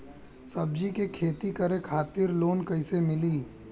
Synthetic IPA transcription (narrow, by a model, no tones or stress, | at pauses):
sɐb̚d͡ʒikekʰeːt̪ikɐɾekʰaːt̪ɪɾloːnkɐɪsemɪliː